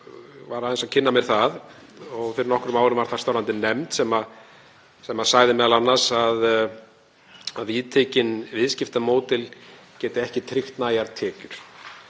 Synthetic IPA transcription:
vaɾaðɛnsacʰɪnːamjɛɾ̥θað | ɔɣfɪɾɪɾnɔhkʏɾʏmaːwɾʏmvaɾ̥θaɾ̥st̪awɾant̪ɪnɛmt̪sɛma | sɛmaðsaːɣðɪmɛðalanːasað | aðviðt̪ʰeːcɪnvɪðscɪft̪amoːwt̪ɪlcɛːt̪ɪɛhcɪt̪ʰɾɪxt̪naːjaɾt̪ʰɛːcʏɾ̥

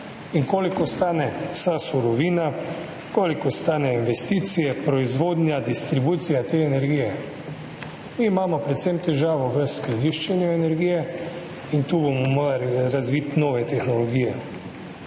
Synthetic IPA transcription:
iŋkoːlikɔst̪aːnɛwsasuɾɔʋiːna | koːlikɔst̪aːnɛinʋɛst̪iːt̪sijɛpɾɔizʋoːd̪nʲjad̪ist̪ɾibuːt̪sijat̪eːɛnɛɾɡijɛ | miːmaːmɔpɾɛt̪semt̪ɛʒaːʋɔʋəskɾɛd̪iʃt͡ʃɛnjuɛnɛɾɡijɛ | int̪uːbomɔmoɾaliɾazʋiːt̪noːʋɛt̪ɛxnɔlɔɡiːjɛ

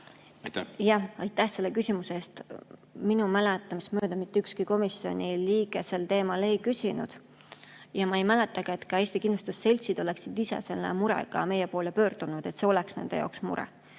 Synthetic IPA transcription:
jɑɑjt̪ːˑæhse̞lːekysʲimuseeːst̪minumælet̪ːˑɑmismøːd̪̥ɑmit̪ːeykskiko̞misio̞̰nʲiliːɡ̥ese̞lt̪e̞ːmɑle̞jkysinṵd̪̥ | jɑmɑejmælet̪ːˑɑɡ̥ɑet̪kɑe̞ːsʲt̪ikinlust̪usːe̞lʲt̪sid̪̥o̞leksid̪̥isḛse̞lːḛmuɾḛɡ̥ɑ̰me̞jepo̞ːlepø̞ːrd̪̥unud̪̥e̞t̪se̞o̞leksnend̪e̞̰jɑ̰oksmṵɾɛ̰

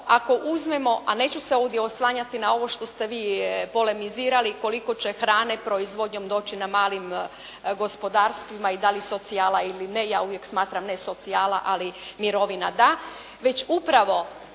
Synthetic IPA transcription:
ako̞ʔuzme̞mo̞ʔane̞ːt͡ɕuseo̞ʋd̪ʲjeoslˠaːɲat̪inao̞ʋo̞ʃt̪o̞st̪e̞ʋiːpo̞le̞miziːɾaliko̞liko̞t͡ɕe̞xɾaːnepɾoizʋo̞d̪ɲo̞md̪o̞ːt͡ɕinamaːlim | ɡo̞spo̞d̪aːɾst̪ʋimaid̪aliso̞t̪siaːlˠailinejaːuvje̞ksmaːt̪ɾamneso̞t̪siaːlˠa̰ʔalimiɾo̞ʋinad̪a | ʋe̞t͡ɕupɾaʋo̞

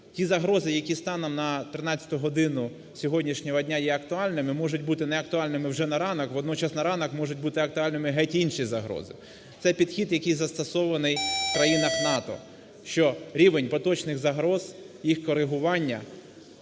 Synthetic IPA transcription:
tʲizɐɦɾɔzɪjɐkʲist̪ɑnɔmnɐt̪ɾɪnɑt͡sʲːɐ̥t̪ʊɦɔd̪ɪnʊ | sʲɔɦɔdʲnʲiʃnʲɔɦɔdʲnʲajɛɐkt̪ʊɑlʲnɪmɪmɔʒʊtʲbut̪ɪnɛɐk̚t̪ʊɑlʲnɪmɪwʒɛnɐɾɑnɐkʋɔd̪nɔt͡ʃɑsnɐɾɑnɐkmɔʒʊt̚ʲbut̪ɪɐkt̪ʊɑlʲnɪmɪɦɛtʲiinʃizɐɦɾɔ̰zɪ̰ | t̪sɛpʲid̪xʲid̪jɐkʲijzɐst̪ɐsɔʋɐnɪjfkɾɐjinɐxnɑt̪ɔ̰ | ʃt͡ʃɔɾʲiʋenʲpɔt̪ɔt͡ʃnɪɣzɐɦɾɔz̥ | jixkɔɾɪɦʊʋɑnʲːɐ

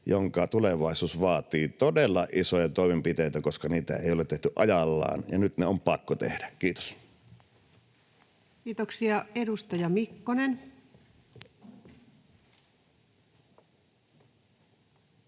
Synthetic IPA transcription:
joŋkɑt̪uleʋɑˑisuːsʋɑːt̪iːt̪odelːɑʔʔisojɑt̪oˑemempit̪eˑit̪ækoskɑniːt̪æ̰ḛˑijolet̪eht̪yʔɑjɑlːɑ̰ːnjɑnyt̪neompɑkːot̪ḛhdækiːt̪o̥s | kiːt̪oksiɑedust̪ɑjɑmikːonen

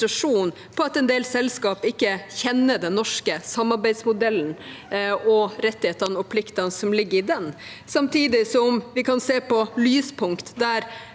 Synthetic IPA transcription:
ɾɑʂuːn | pʰɔɑt̪ɛnd̪eːlsɛlskɑːpɪkːəçɛnːəd̪ɛnːɔʂkəsɑmːɑɾbæɪsmʊd̪ɛlːn̩ | ɔɾɛt̪ːɪheːt̪əɾnɔpʰlɪkt̪ɑnsɔmlɪɡːəɾɪd̪ɛn | sɑmt̪ʰiːd̪ɪsɔɔmʋɪkɑnseːpʰɔlyːspʰʊŋkt̪d̪æɾ

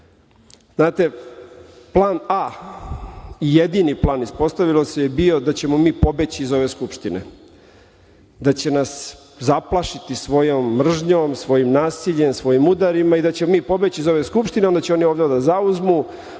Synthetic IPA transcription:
z̥naːt̪e̞ | plˠaːna | ijed̪iniplˠaːnispo̞st̪aʋilˠosejebio̞d̪at͡ɕemo̞miːpo̞be̞t͡ɕiizo̞ʋeskupʃt̪inḛ | d̪at͡ɕe̞nas | zaplˠaʃit̪isʋo̞jomːr̩ʒɲoːmsʋo̞jimnaːsiʎe̞msʋo̞jimud̪aɾimaid̪at͡ɕemomiːpo̞be̞t͡ɕiizo̞ʋe̞skupʃt̪ineod̪at͡ɕeo̞nioːʋd̪eod̪azauzmu

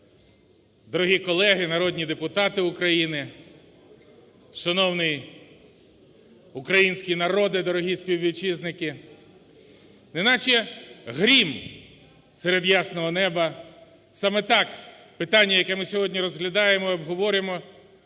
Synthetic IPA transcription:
d̪ɔɾɔɦʲikɔlˠɛɦɪnɐɾɔd̪ʲnʲid̪epʊt̪ɑt̪ɪʊkɾɐjinɪ | ʃɐnɔwnɪj | ʊkɾɐjinʲsʲkʲinɐɾɔd̪ɪd̪ɔɾɔɦʲisʲpʲiwʋʲiwt͡ʃiznɪkɪ | nɛɪnɑt͡ʃɛɦɾʲim | seɾed̪jɑsnɔɦɔnɛbɐ | sɑmɛt̪ɑk | pɪt̪ɑnʲːɐjɐkɛmɪsʲɔɦɔdʲnʲiɾɔzɦlʲɐd̪ɑjemɔiɔbɦɔʋɔɾʲɪmɔ

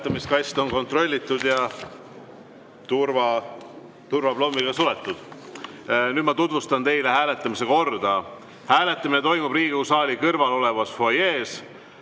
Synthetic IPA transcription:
t̪ːˑɑmiskɑjst̪o̞nko̞nt̪ro̞lʲːit̪ːˑud̪̥jɑ | t̪urvɑ | t̪urvɑb̥lo̞mːiɡ̥ɑsulet̪ːˑud̪̥ | nyːd̪mɑt̪ud̪vust̪ɑnt̪e̞jle̞hæːle̞t̪ˑːɑmise̞ko̞rd̪̥ɑ | hæːle̞t̪ːˑɑminet̪o̞jmub̥riːɡ̥ikusɑːlʲikɤrvɑlo̞le̞vɑsfojeːs

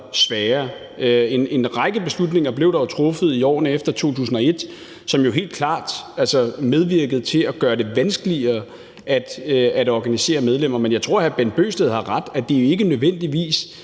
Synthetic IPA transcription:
sʋɛːɐ | e̝ne̝nʁɑ̈ɡ̥əb̥e̝slud̥ne̝ŋɐb̥le̝ʊɾ̥ɑ̈jot͡sʰʁɔ̽fəð̞̩ˠiɒ̰ːnəefd̥ɐt͡sʰo̝̰ːt͡sʰṵːs̬n̩ɒ̽e̝d̥ | sɒ̽mjo̝ɦe̝̰ːld̥̚kʰlɑ̰̈ːd̥ælsɒmeð̞ˠʋiɐɡ̥ð̞̩ˠt͡sʰe̝æɡ̥ɶːɐd̥e̝ʋænsɡ̥əliɐː | ʔæd̥æɾ̥ɒɡ̥ænise̝̰ːɐmeð̞ˠlem̰ɐmenjɑ̈ɪt͡sʰʁo̝ɐ̰hæb̥en̚b̥ø̰ːsd̥eð̞ˠhɑ̈ʁɑ̈d̥æd̥e̝jo̝e̝ɡ̥ənøðˠʋen̰d̥iʋḭːs

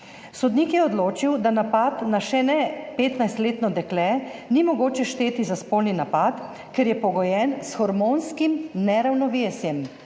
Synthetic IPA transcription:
sɔd̪niːkjɛɔd̪loːt͡ʃiwd̪anapat̪naʃɛnɛpeːt̪najst̪leːt̪nɔd̪ɛklɛnimɔɡoːt͡ʃɛʃt̪eːt̪izaspolninapat̪ | kɛɾjɛpɔɡɔjɛnsxɔɾmoːnskimnɛɾawnɔʋeːsjɛm

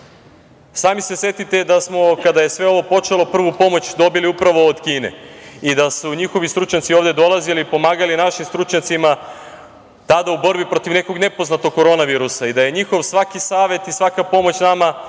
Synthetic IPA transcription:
saːmise̞sje̞t̪it̪e̞d̪asmo̞kad̪aje̞sʋe̞o̞ʋo̞po̞t͡ʃe̞lˠo̞pr̩ʋupo̞mo̞t͡ɕd̪o̞biliupɾaʋo̞ːd̪kiːne̞̰id̪asuɲixo̞ʋist̪ɾut͡ʃɲat̪sioʋd̪e̞d̪o̞lˠaziliːpo̞maːɡalinaʃimst̪ɾut͡ʃɲat̪sima | t̪ad̪aubo̞ɾbipɾo̞t̪iʋne̞ko̞ɡne̞po̞znat̪oɡ̚ko̞ɾo̞naʋiːɾusaid̪aje̞ɲixo̞ʋsʋakisaːʋe̞t̪isʋakapo̞mo̞t͡ɕnama

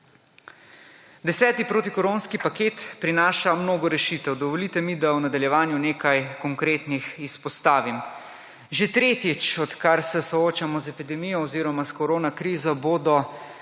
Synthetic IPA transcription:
d̪ɛsɛːt̪ipɾoːt̪ikɔɾoːnskipakeːt̪pɾinaːʃamnoːɡɔɾɛʃiːt̪ɛwd̪ɔʋɔliːt̪ɛmid̪awnad̪aljɛʋaːnjuneːkajkɔŋkɾeːt̪nixispɔst̪aːʋim | ʒet̪ɾeːt̪it͡ʃɔt̪kaɾsɛsɔoːt͡ʃamɔzɛpid̪ɛmijɔɔziːɾɔmaskɔɾoːnakɾiːzɔboːd̪ɔ

